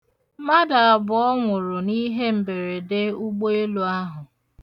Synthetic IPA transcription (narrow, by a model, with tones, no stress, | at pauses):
ma˦da˨a˨bʊ˨ɔ˦ŋʷʊ˨ɾʊ˨ni˦ɦe˦m̩˨be˨ɾe˨de˦u˦ɡ͡bo˦e˦lu˨a˦ɦʊ˨